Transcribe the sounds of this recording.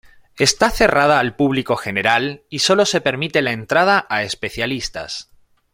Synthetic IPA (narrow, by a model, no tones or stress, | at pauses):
e̞st̪aθe̞raðaːlpuβliko̞xe̞ne̞ɾaliso̞lo̞se̞pe̞ɾmit̪e̞lae̞nt̪ɾaðaʔaespe̞θjalist̪a̰s